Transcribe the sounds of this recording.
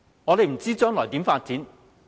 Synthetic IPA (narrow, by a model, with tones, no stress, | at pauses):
ŋɔ˨˧le˨˧jm̩˨˩t͡siː˥t͡ʃœː˥ŋlɔː˨˩jt̪iː˨˥mfaː˧t̚t͡siː˨˥n